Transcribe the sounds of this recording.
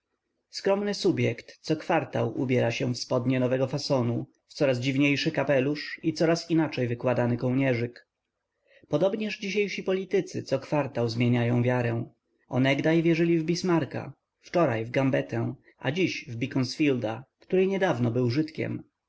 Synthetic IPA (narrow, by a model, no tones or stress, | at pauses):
skɾɔmnɘsubʲjɛkt̪sɔkfaɾt̪a̰wṵbʲjɛɾaɕɛ̃fspɔd̪ɲɛnɔvɛɡɔfasɔnu | ft̪sɔɾazd͡ʑivɲejʂɘkapɛluʂit̪sɔɾasinat͡ʂɛjvɘkwad̪anɘkɔwɲɛʐɘk | pɔd̪ɔbɲɛʐd͡ʑiɕejʂipɔlʲit̪ɘt̪sɘt̪sɔkfaɾt̪awzmʲjeɲajɔ̃w̃vʲjaɾɛw̃ | ɔ̰nɛɡd̪ajvʲjɛʐɘlʲivbʲismaɾka̰ | ft͡ʂɔɾajvɡambɛt̪ɛ̃ | ʔa̰d͡ʑiɕvbʲikɔnsfʲild̪akt̪uɾɘɲɛd̪avnɔbɘwʐɘt̪kʲɛ̰m